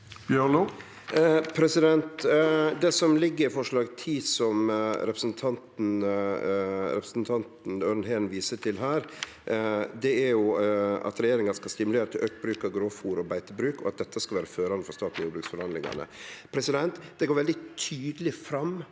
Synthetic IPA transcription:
b̥jøu | pʰɾɛsɪd̪ɛnt̪d̪ɛsɔmlɪɡːəɾɪfɔʂɭɑːɡt̪ʰiːsɔmɾɛpɾəsnt̪ʰɑnt̪n̩ | ɾɛpɾə̥sn̩t̪ʰɑnt̪n̩øɾnhɛːnʋiːsəʈʰɪlɦæːɾ | d̪ɛæɾjʊɑ̰t̪ɾɛjeːɾɪŋɑskɑlst̪ɪmʉleːɾət̪ʰɪlʔøkbɾʉːkɑɡɾoːfuːɾɔbæɪt̪əbɾʉːkɔ̰ɑt̪̚d̪ɛt̪ːəskɑlʋæːɾəføːɾɑnəfɔɾst̪ɑːt̪n̩juːbɾʉksfɔɾhɑnlɪ̰ŋɑ̰nə̰pʰɾɛsɪd̪ɛnt̪d̪̥ɛɡoːɾʋɛld̪ɪt̪ʰyːd̪lɪfɾɑm

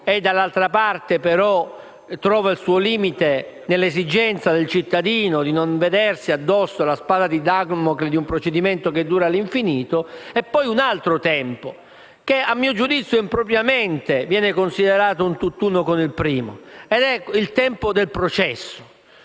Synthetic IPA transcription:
ed̪ːalːalt̪ɾapart̪epeɾɔ | t̪ːɾɔːvailsuːoliːmit̪e | nelːezid͡ʒɛnt̪sad̪elt͡ʃit̪ːad̪iːnod̪inoɱved̪ɛrsiad̪ːɔsːolaspaːd̪ad̪id̪aɡmokled̪iumpɾot͡ʃed̪iment̪oked̪ːuːɾaliɱfiniːt̪oɛpːɔjunalt̪ɾot̪ɛmpo | k̟eamːiːod͡ʒud̪it̪sjoimpɾopɾjament̪evjɛːnekonsid̪eɾaːt̪ount̪ut̪ːuːnokomilpɾiːmoed̪ɛilt̪ɛmpod̪elpɾot͡ʃɛsːo̥

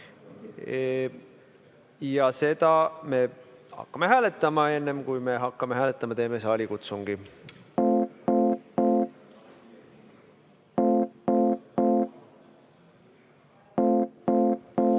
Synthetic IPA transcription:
jɑse̞d̪̥ɑme̞hɑ̰kːɑmeɦæːle̞t̪ːˑɑmɑe̞nːe̞mkujme̞ɦɑkːˑɑmehæːlet̪ːˑɑmɑt̪e̞ːmes̬eɑlʲikut̪suŋɡ̥i

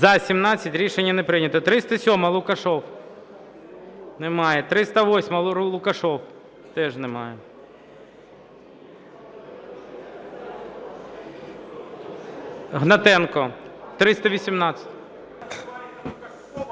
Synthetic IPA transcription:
zɐsʲimnɑt͡sʲːɐtʲɾʲiʃenʲːɐnɛpɾɪnʲɐt̪ɐt̪ɾɪst̪ɐsʲɔmɐlˠʊkɐʃɔw | nɛmɑjɛt̪ɾɪst̪ɐʋɔsʲmɐlˠʊkɐʃɔw | t̪ɛʒnɛmɑjɛ | ɦnɐt̪ɛnkɔt̪ɾɪst̪ɐʋʲisʲimnɑt͡sʲɐ̥tʲ

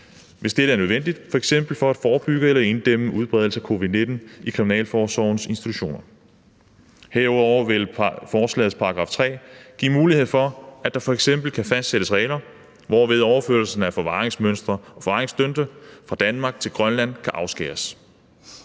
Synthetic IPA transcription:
ʋʔe̝sd̥eɾ̥əæɐnøð̞ˠʋend̥id̥fɒ̽eɡ̥sem̰b̥l̩fɒ̽æd̥fɒːb̥yɡ̥əelɐe̝nd̥em̰əʔuð̞ˠb̥ʁɛð̞ˠl̩səækʰo̝ːʋiðˠne̝d̥n̩ikʰʁiminɛ̰ːlfɒːsɒʊnse̝nsd̥i̥t͡sʰu̥ɕo̝̰ːnɐ | heɐɒʊʋe̝lfɒːslɛ̰ːð̩ˠpʰɑ̈ɡ̥ʁɑ̈ft͡sʰʁɛ̰ːɡ̥ḭːmuːlihe̝ð̞̰ˠfɒ̽æd̥ɑ̈fɒ̽eɡ̥sem̰b̥l̩kʰæfæsd̥seɾ̥əsʁɛːɪlɐ | ʋɒʋe̝ð̞ˠɒʊɐføɐlsn̩æfɒ̽ʋɑ̈ːʁeŋsmøn̰sd̥ʁɐɒ̽fɒʋɑ̈ʁeŋsd̥ønd̥əfʁɑ̈d̥ænmɑ̈ːɡ̥̚t͡sʰe̝lɡ̥ʁɶnlæn̰kʰæʔɑ̈ʊsɡ̥ɛ̰ːɐs

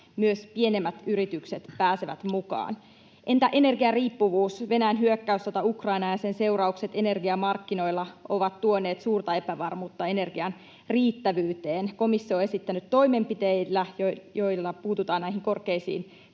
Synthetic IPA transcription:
myøspie̞nemːæt̪yɾit̪ykset̪pæːseʋæ̰t̪mukɑ̰ːn | ʔe̞nt̪æʔe̞ne̞rɡiɑriːpːuʋuːsʋe̞næjænɦyøkːæyst̪ot̪ɑukrɑinɑjɑsense̞uwrɑukse̞t̪e̞ne̞rɡiɑmɑrkːino̞jlːɑʔo̞ʋɑt̪t̪uone̞ːt̪suːrt̪ɑe̞pæʋɑrmuːt̪ːɑe̞ne̞rɡiɑn | riːt̪ːæʋyːt̪eːnko̞misːio̞ːe̞sit̪ːænyt̪t̪ːo̞imempit̪eilːæjojo̞jlːɑpuːt̪ut̪ɑːnnæihiŋko̞rkeisḭːn

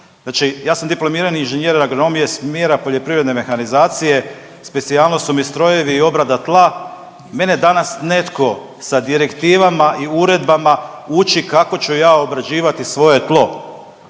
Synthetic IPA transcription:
znaːt͡ʃijaːsamd̪iplo̞miɾaninʒenjeɾaɡono̞mije̞smje̞ːɾapo̞ʎe̞pɾiʋɾed̪ne̞me̞xanizaːt̪sije̞ | spe̞t̪sijalˠnosumist̪ɾo̞je̞ʋiːo̞bɾad̪at̪lˠa | me̞ne̞d̪anasne̞t̪ko̞ | sad̪iɾe̞kt̪iːʋamaʔiuɾe̞d̪bamaut͡ʃikako̞t͡ɕujaːo̞bɾad͡ʑiːʋat̪isʋo̞je̞t̪lˠo̞

